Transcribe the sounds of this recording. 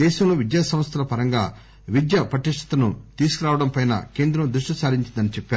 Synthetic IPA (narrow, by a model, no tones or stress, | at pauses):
ɛːʃɐmlo̞ːʋid̪jaːsɐm̃st̪ʰɐlɐpɐɾɐŋɡaː | ʋid̪jɐpɾɐʈiʂʈʰɐ̥t̪ɐnut̪iːsukuɾaːʋɐɽɐmpɐjnɐ̰ke̞ːnd̪ɾɐmd̪ɾuʂʈisaːɾiɲt͡ʃind̪ɐnit͡ʃɛpːaːɾu